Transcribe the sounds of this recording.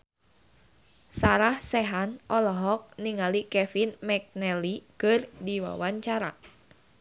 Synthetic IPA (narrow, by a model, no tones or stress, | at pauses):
saɾahsɛɦanʔɔlɔɦɔk̚niŋalikɛfinmɛk̚nɛlikərdiwa̰waɲt͡ʃaɾa̰